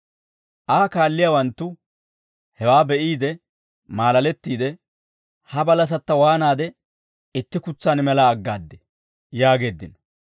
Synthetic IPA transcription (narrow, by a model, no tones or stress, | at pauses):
ʔaːkaːlːɪjaːwɐnt̪ːʊ | hɛwaːbɛʔiːd̪ɛ | maːlɐlɛt̪ːiːd̪ɛ | hɐbɐlɐs̬ɐt̪ːɐwaːnaːd̪ɛ | ɪt̪ːɪkʊt͡sːaːnmɛlɐːɡːaːd̪ːɛ | jaːɡe̞ːd̪ːɪnɔ